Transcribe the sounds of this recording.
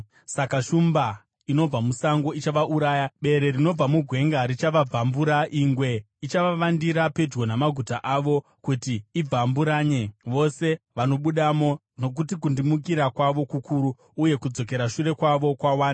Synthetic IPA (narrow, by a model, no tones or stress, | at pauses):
sakaʃumba | ino̞b͡vamusaŋɡo̞it͡ʃaʋaʔuɾaːjaɓe̞ɾe̞ɾino̞b͡vamuɡʱwe̞ŋɡaɾit͡ʃaʋab͡vʱambuɾaʔiŋɡwe̞ | it͡ʃaʋaʋandiɾape̞d͡ʒɡo̞namaɡʱutaʔaʋo̞ | kutiib͡vambuɾaːɲe̞ʋo̞se̞ʋano̞ɓuɗamo̞ | no̞k̬utikundimuk̬iɾakwaʋo̞kukuɾuː | je̞kud͡zo̞k̬e̞ɾaʃuɾe̞kwaʋo̞kwawaːna